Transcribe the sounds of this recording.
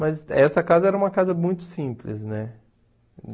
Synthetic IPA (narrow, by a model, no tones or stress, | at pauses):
mɐzɛsɐkazɐɛɾɐũmɐkazɐmũj̃t̪ʊ̥sĩplɪ̰snɛ